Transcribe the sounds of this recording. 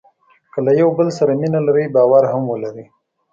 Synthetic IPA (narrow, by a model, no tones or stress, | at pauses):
kəlajawbəlsaɾaminalaɾəjbɑwaɾhamwəlaɾi